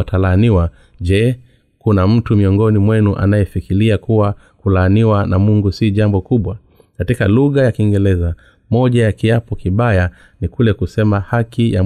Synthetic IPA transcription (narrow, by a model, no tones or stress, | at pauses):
tʰalaːniwa | ʄɛ | kunam̩tumiɔŋɡɔnimwɛnuʔa̰najɛfikiliakuwa | kulaːniwanamuŋɡusiʄambɔkuɓwa | katikaluɣajakiŋɡɛlɛza | mɔʄajakiapɔkiɓaja | nikulɛkusɛmahakija̰